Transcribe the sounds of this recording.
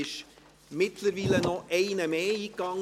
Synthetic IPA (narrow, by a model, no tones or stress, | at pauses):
ɪʃ | mɪt̪ləɾviːlənɔʔɛɪnəmeːiːkːɑŋ